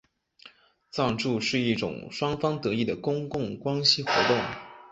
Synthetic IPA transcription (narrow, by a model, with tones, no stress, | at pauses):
t͡sɑ˥˧ŋʈ͡ʂu˥˧ʂɻ̩˥˧i˥˩ʈ͡ʂʊ̰˨˩ŋʂwɑ˥ŋfɑ˥ŋt̪ɤ˧˥i˥˩d̪ə˩kʊ˥ŋkʊ˥˩ŋkwa˥nɕi˥xwɔ̰˧˥t̪ʊ˥˩ŋ